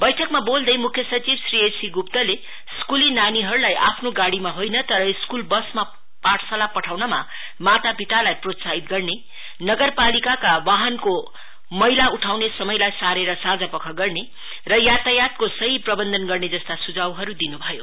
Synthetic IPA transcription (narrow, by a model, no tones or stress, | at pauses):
bʌjʈʰʌkmabold̪ʌjmukʰjʌsʌt͡sibsriesiɡupt̪ʌle | skulinaniɦʌɾulajʔa̰pʰnoɡaɽimaɦojnʌt̪ʌɾʌiskulbʌsma | paʈʰsalapʌʈʰawnʌma̰ | mat̪apiʈ̪alajprot̪saɦit̪̚ɡʌrne | nʌɡʌrpalikakawaɦʌnko | mʌɦilauʈʰawnesʌmʌjlajsaɾeɾʌsad͡zapʌkʰʌɡʌrne | rʌjat̪ajat̪kosʌɦiprʌbʌnd̪ʱʌnɡʌrned͡zʌst̪asud͡zawɦʌɾud̪inubʱʌjo